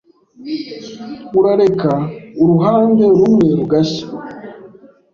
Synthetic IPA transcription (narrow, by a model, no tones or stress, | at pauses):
uɾaɾekauɾuɦaːmbeɾumweɾuɡaɕḁ